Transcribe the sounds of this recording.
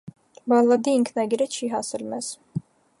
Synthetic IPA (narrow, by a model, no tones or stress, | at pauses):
bɑlːɑd̪iːŋkʰnɑɡiɾət͡ʃʰiɦɑsɛlmɛz̥